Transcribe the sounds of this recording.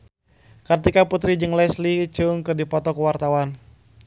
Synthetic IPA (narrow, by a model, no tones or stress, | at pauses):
kət̪ikaput̪ɾid͡ʒɨŋlɛslit͡ʃuŋkɨrdipɔt̪ɔkuwart̪awan